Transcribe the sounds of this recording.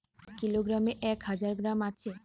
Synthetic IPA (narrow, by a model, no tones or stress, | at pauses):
kiloɡɾameʔɛkhad͡ʑaɾɡɾamat͡ɕʰe